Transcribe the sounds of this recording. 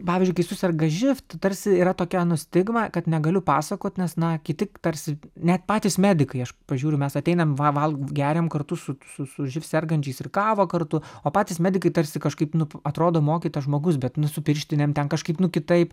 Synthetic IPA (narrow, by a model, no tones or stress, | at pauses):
pɑːʋʲɪzʲd͡ʒʊɪkɐɪsʊsʲɛrɡɐʒʲɪft̪t̪ɐɾʲsʲɪiːɾɐt̪oːkʲɛnʊsʲt̪ʲɪɡmɑːkɐt̪nʲɛɡɐlʲʊpɑːsɐkoːt̪ʲnʲɛsnɐkʲɪt̪ʲɪkt̪ɐɾʲsʲɪnʲɛt̪pɑːtʲiːsmʲæːd̪ʲɪkɐɪɐʃpɐʒʲuːɾʲʊmʲɛsɐt̪ʲɛɪnɐmʋɐʋɐlˠɡʲæːɾʲɛmkɐrt̪ʊsʊsʊsʊʒʲɪfsʲɛrɡɐnʲt͡ʃʲɛɪsɪrkɑːʋoːkɐrt̪ʊoːpɑːtʲiːsmʲæːd̪ʲɪkɐɪt̪ɐɾʲsʲɪkɐʃkɐɪpnʊɐt̪ɾoːd̪oːmoːkʲiːt̪ɐʒmoːɡʊsbʲɛt̪nʊsʊpʲɪɾʲʃʲt̪ʲɪnʲɛmt̪ʲɛnkɐʃkɐɪpnʊkʲɪt̪ɐɪp